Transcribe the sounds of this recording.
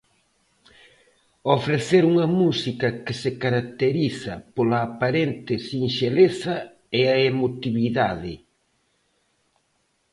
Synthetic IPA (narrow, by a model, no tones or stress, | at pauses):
ofɾeθeɾuŋɐmusikɐkɪsɪkaɾak̚t̪eɾiθɐpolɐːpaɾent̪ɪsinʃeleθɐ | eaemot̪iβiðaðɪ